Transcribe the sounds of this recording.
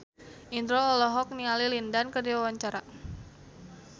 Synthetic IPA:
ʔind̪ɾoɔlɔɦɔk̚niŋalilindankədiwawaɲt͡ʃaɾa

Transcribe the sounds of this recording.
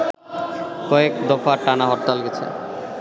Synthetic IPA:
kɔekd̪ɔfaʈanaɦɔɾt̪ːalɡɛt͡ɕʰḛ

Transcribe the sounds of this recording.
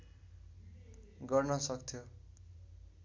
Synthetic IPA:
ɡʌrnʌsʌkt̪ʰjo

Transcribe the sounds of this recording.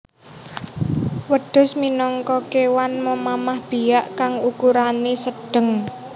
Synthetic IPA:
wəɖ̥ʊ̤sminɔŋkɔkewanməmamahb̥ijaʔkaŋukuɾanesəɖ̥ə̤ŋ

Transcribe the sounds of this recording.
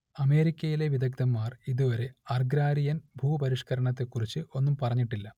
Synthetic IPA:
ɐme̞ːɾikʲːɐjile̞ʋid̪ɐɡd̪ɐmːaːriðuʋɐɾe̞ɐrɡɾaːɾijɐnbʱuːɐpɐɾiʂkɐɾɐɳɐt̪ːe̞kːurit͡ɕːɨʔo̞nːumpɐrɐɲːiʈːilːɐ

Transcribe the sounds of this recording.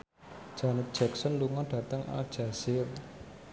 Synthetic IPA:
d̥d͡ʒ̥anɛt̪̚d̥ʒ̥ɛksɔnluŋɔɖ̥ä̤t̪əŋʔa̰ld̥ʒ̥asɪr

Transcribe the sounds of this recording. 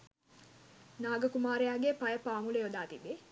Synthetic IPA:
naːɡəkumaːɾejaːɡepajəpaːmuləjod̪aːt̪ibe

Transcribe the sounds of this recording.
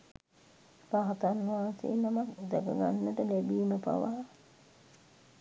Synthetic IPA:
paɦat̪anːuaːsḛːnamat̪d̪ɛkə̰ɡa̰nːəʈəlæbiːməpa̰ʋa

